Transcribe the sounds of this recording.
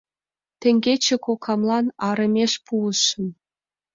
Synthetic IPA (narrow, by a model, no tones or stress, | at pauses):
t̪ĕŋɡʲet͡ɕĕkokʰɑmlˠɑnɑɾɤ̆mʲeʃpuə̆ʃːɤ̆m